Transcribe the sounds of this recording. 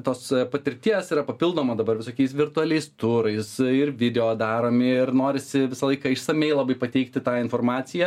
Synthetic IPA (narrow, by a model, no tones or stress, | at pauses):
t̪oːspɐt̪ʲɪɾʲt̪ʲiɛsiːɾɐpɐpʲɪlˠd̪oːmɐd̪ɐbɐɾʋʲɪsoːkʲɛɪsʋʲɪrt̪ʊɐlʲɛɪst̪ʊɾɐɪsɪrʋʲɪd̪ʲɛoːd̪ɑːɾoːmʲɪɪrnoːɾʲɪsʲɪʋʲɪsɐlˠɐɪkɐɪʃsɐmʲɛɪlˠɐbɐɪpɐt̪ʲɛɪkt̪ʲɪt̪ɑːɪnfoːrɾmɑːt͡ssʲɪjɛ